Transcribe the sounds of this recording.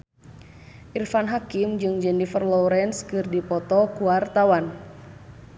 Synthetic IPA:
ʔirfanɦakimd͡ʒɨŋd͡ʒɛnifərlɔɾɛnskɨrdipɔt̪ɔkuwart̪awan

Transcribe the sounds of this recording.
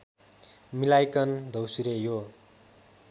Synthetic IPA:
milajkʌnd̪ʱʌwsuɾejo

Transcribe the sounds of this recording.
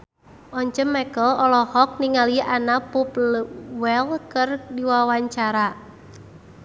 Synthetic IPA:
ʔɔɲt͡ʃəmːɛkəlɔlɔhɔk̚niŋaliʔanapuplwɛlkərdiwawaɲt͡ʃaɾa

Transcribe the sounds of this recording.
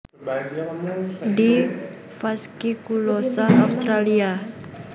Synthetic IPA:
di | faskikulosaaust̪ɾalia

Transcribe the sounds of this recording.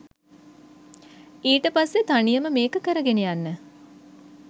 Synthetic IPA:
iːʈəpasːet̪anijəməmeːkəkəɾəɡenejanːə

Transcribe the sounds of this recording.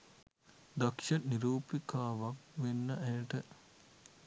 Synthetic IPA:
d̪akʂɐniɾuːpikaːʋakʋenːəʔæjəʈə

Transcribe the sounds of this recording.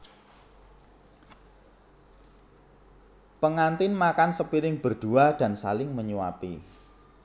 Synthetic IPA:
pəŋant̪ɪnmakansəpiɾɪŋb̥ərd̪̥uad̥a̤nsa̰lɪŋməɲuwa̰pḭ

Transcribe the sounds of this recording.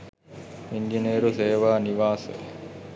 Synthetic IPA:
iɲd͡ʒineːɾuseːʋaːniʋaːsə̰

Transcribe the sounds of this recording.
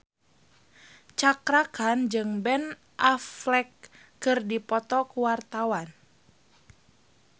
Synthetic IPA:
t͡ʃakɾakand͡ʒɨŋbɛn | ʔaflɛkː | ɨrdipɔt̪ɔkuwart̪awan

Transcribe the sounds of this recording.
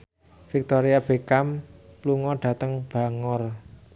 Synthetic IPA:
fik̚t̪oɾiab̥ekampluŋɔɖ̥ä̤t̪əŋb̥a̤ŋɔr

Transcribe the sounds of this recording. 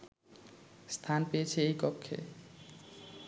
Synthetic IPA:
st̪ʰanpeet͡ɕʰeejkɔkʰːḛ

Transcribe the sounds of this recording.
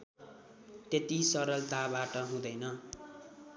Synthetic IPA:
t̪et̪isʌɾʌlt̪abaʈʌɦũd̪ʌjnʌ

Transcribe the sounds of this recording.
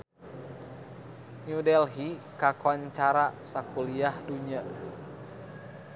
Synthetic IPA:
ɲudɛlɦikakɔnt͡ʃaɾasakuliahduɲa

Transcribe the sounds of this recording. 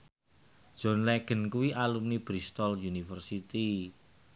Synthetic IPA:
d̥ʒ̥ɔ̤nlɛɡ̥ə̤nkuwiʔalumnib̥ɾist̪ɔljunifərsit̪i

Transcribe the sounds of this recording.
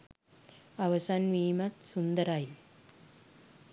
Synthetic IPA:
ɐʋɐsaːnʋiːmɐt̪sund̪ɐɾaːji

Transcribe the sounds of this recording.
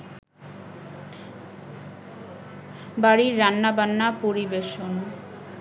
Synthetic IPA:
baɾiɾːanːabanːapoɾibeʃono

